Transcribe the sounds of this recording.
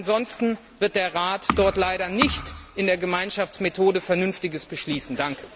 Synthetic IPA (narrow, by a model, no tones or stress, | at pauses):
nzɔnstn̩ | vɪɐt̚d̥eːɐʁaːtd̥ɔɐtlaɪɾɐnɪçtʔɪndeːɐɡəmaɪnʃaft͡smetʰoːdəfɛɐnʏnftɪɡəsb̥əʃliːsn̩daŋkʰə̥